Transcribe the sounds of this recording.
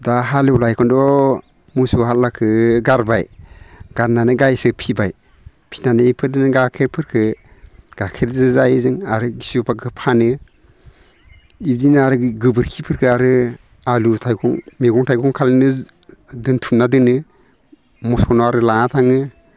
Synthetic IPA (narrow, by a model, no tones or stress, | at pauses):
daɦalelajkʰɔndɔ | musuhat̚lakʰɯɡaɾbajɡ̥aɾnanɯɡajsɯpʰibaj | pʰi̥nanɯipʰɯɾdinɯɡakʰeɾpʰɯɾkʰɯ | ɡ̥akʰeɾzɯzajzɯŋaɾɯɡisupʰakʰɯpʰanɯ | ib̚dinaɾɯɡɯbɯɾkʰipʰɯɾkʰɯaɾɯ | alutʰajkʰɔŋmeɡɔŋtʰajkʰɔŋkʰalnɯ | dɯntʰumnadɯnɯ | mɔskʰɔnɔaɾɯlanatʰaŋɯ